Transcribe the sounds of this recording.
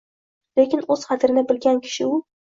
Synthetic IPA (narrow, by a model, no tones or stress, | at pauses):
le̞kʲɪnɵz̥χɑt̪ʰɾɪnɪbɪlɡʲankʲʰɪ̥ʃɪʊ